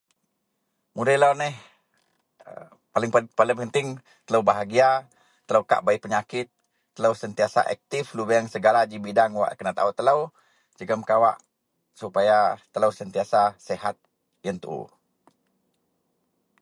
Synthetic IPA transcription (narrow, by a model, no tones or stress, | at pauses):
mudəlanɛh | palɪŋəpalɪŋpənt̪ɪŋ | t̪ələwbaɦaɡia | t̪ːələwka̰ʔbaiʔpəɲakɪt̪ː | ələwsənt̪iasa̰ʔɛ̰k̚t̪ɪflubəjəŋsəɡalad͡ʒibidaŋwa̰ʔkənat̪a̰ut̪ːələw | d͡ʒəɡəmkawa̰ʔ | supajat̪ələwsənt̪iasasɛhat̪̚ | jənt̪ṵʔ